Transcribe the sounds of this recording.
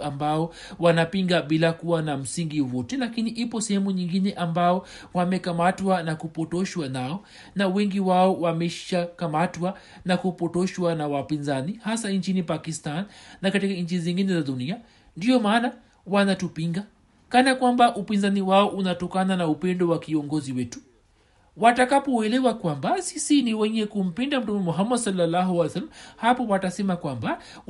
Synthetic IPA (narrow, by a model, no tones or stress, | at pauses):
ambaɔ | wanapiŋɡaɓilakuwanam̩siŋɡiwɔtɛlakiniʔipɔsɛhɛmuɲiŋɡinɛʔambaɔ | wamɛkamatwanakupɔtɔʃwanaɔ | nawɛŋɡiwaɔwamɛʃakamatwa | nakupɔtɔʃwanawapinzanihasaɲt͡ʃinipakistanːakatikaɲ̩t͡ʃiziŋɡinɛzaɗunia | ndiɔmaːna | wanatupiŋɡa | kanakwambaʔupinzaniwaɔʔunatɔkananaupɛndɔwakiɔŋɡɔziwɛtu̥ | watakapɔɛlɛwakwambasisiniwɛɲɛkum̩pindam̩tumɛmɔɦamːadsɔlːalːaɦuajsalmhapɔwatasɛmakwamba